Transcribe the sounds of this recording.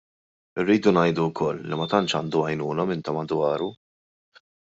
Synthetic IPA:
ɪrːiːd̪unɐjd̪ukʰɔlːimɐt̪ɐnt͡ʃɐnd̪uɐjnuːnɐmɪnt̪ɐmɐd̪wɐːɾu

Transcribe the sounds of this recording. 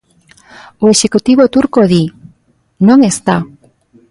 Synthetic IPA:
oeʃekut̪iβ̞ot̪uɾkoði | nõŋest̪a

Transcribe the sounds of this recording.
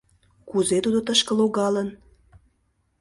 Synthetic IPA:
kuzet̪ud̪ot̪əʃkə̆loɣɑlən

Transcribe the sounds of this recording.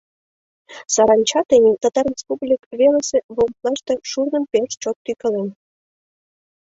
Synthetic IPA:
sɑɾɑnʲt͡ɕɑt̪enʲit̪ɑt̪ɑrʲespublʲikβeləseβomp̪lɑʃt̪ĕʃurnə̆mpeʃt͡ɕot̪ːykə̆len

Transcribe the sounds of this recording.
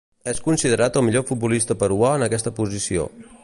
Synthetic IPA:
ɛskunsiðəɾat̪əlˠmiʎofut̪̚bulist̪əpəɾuaənəkɛst̪əpuzisio̰

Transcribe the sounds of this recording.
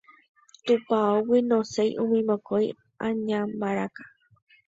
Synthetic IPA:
t̪upaowinõsejʔũmĩmõkoj | ʔãɲãmbaɾakḁ

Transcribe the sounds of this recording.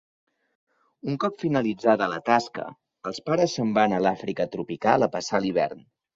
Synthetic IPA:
uŋkɔpfinəlid͡zaðələt̪askə̰ | əlˠspaɾəsːəmbanəlafɾikət̪ɾupikalˠəpəsaliβ̞ɛ̰rn

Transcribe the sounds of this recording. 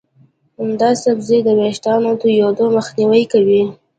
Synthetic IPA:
hamd̪ɑsabzed̪əweʃʈ̪ɑnot̪ujod̪oməxniwəjkawi

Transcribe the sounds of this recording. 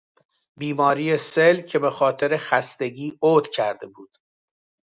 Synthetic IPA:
biːmɒːɾiːjeselcʰe̞be̞xɒːt̪ʰe̞ɾe̞xæst̪e̞ɟiːʔoːd̪cʰæɾd̪e̞buːd̪̥

